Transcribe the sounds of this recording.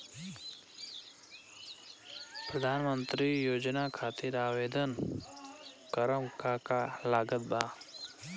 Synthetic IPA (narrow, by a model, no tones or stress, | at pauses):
pɾəd̪ʱaːnmənt̪ɾijoːd͡ʒnakʰaːt̪ɪɾaːʋeːd̪ən | kəɾəmkakalaːɡət̪̚baː